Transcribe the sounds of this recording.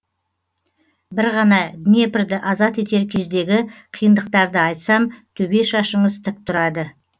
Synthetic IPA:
bɪɾʁɑnɑɡ̪ʲne̞pɪɾd̪ɪʔɑzɑt̪e̞t̪e̞ɾkʲʰe̞zd̪e̞ɡʲɪqʰijənd̪əq̚t̪ɑɾd̪əɑjt̪sɑmt̪ʰɵbe̞ʃɑʃəɴəzt̪ʰɪk̚t̪ʰʊɾɑd̪ə

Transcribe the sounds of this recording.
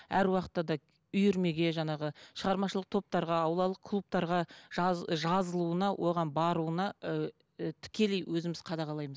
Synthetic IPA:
æɾwɑqə̥t̪ːɑd̪ɑ | ʏjʏɾme̞ɡʲe̞ʒɑɴɑʁəʃəʁɑɾmɑʃəlˠəq̚t̪ʰo̞p̚t̪ɑɾʁɑːwlˠɑlˠəqkʰlˠup̚t̪ɑɾʁɑʒʒɑzəlˠuənɑwʔo̞ʁɑnbɑɾuənɑ | t̪ʰɪ̥kʲe̞lejwʔɵzɪmɪzqʰɑd̪ɑʁɑlˠɑjməz

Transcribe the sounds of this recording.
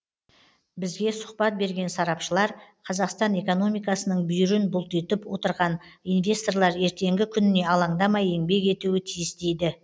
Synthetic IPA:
bɪzɡʲe̞sʊ̥qpɑt̪̚be̞ɾɡʲe̞nsɑɾɑpʃəlˠɑɾqʰɑzɑqst̪ɑne̞ko̞no̞mijkɑsənəɴbʏjɪɾɪnbʊlˠt̪et̪ɪpwo̞t̪əɾʁɑnijnvʲe̞st̪o̞rlˠɑɾe̞ɾt̪e̞ŋɡʲɪkʲʰʏnɪne̞ɑlˠɑɴd̪ɑmɑjeŋbe̞ke̞t̪uwɪt̪ʰijɪst̪e̞jd̪ɪ

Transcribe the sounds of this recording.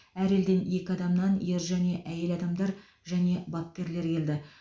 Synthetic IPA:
æɾe̞ld̪enje̞kʲɪɑd̪ɑmnɑnje̞ɾʒæne̞ʔæje̞lɑd̪ɑmd̪ɑɾ | ʒæne̞bɑp̚kʲe̞ɾle̞ɾkʲʰe̞ld̪ɪ

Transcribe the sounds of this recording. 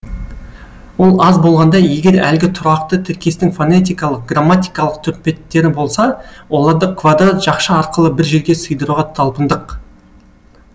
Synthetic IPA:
wo̞lˠɑzbo̞lˠʁɑnd̪ɑje̞ɡʲe̞ɾæ̰lɡʲɪt̪ʰʊɾɑqt̪ət̪ʰɪɾkʲe̞st̪ɪŋfone̞t̪̬ijkɑlˠəq̚ɡramːat̪ijkɑlˠəq̚t̪ʰʏɾpe̞t̪ːe̞ɾɪbo̞lˠsɑwo̞lˠɑɾd̪əkʰvad̪ɾat̪ʒ̥ɑqʃəɑɾqəlˠəbɪɾʒe̞ɾɡʲe̞səjd̪əɾuʁɑt̪ʰɑlˠpənd̪əq

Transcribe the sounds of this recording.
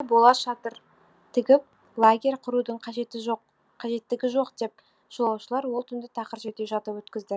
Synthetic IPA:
bo̞lˠɑʒɑt̪əɾ | t̪ʰɪɡʲɪp̚ | lˠaɡʲe̞ɾʲqʰʊɾud̪əɴqʰɑʒe̞t̪ɪʒoqːʰ | ɑʒe̞t̪ːɪɡʲɪʒo̞qd̪e̞p̚ | ʒ̥olˠɑwʃəlˠɑɾwolˠt̪ʰʏnd̪ɪt̪ʰɑqəɾʒe̞t̪eʒɑt̪əpwɵt̪kʲɪzd̪ɪ

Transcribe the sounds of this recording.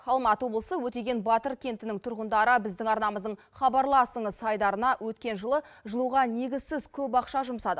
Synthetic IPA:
χɑlˠmɑt̪wo̞blˠəsəwɵt̪e̞ɡʲe̞nbɑt̪əɾkʲʰe̞nt̪ɪnɪŋt̪ʰʊɾʁənd̪ɑɾəbɪzd̪ɪŋɑɾnɑməzd̪əɴ | χɑbɑɾlˠɑsəɴəzsɑjd̪ɑɾənɑwɵt̪kʲe̞nʒəlˠəʒəlˠuʁɑne̞ɡʲɪzsɪzkʲʰɵpɑqʃɑʒʊmsɑd̪ə

